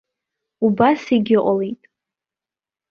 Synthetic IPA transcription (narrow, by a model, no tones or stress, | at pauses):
ubasiɡʲɪʔʷʼalejtʼ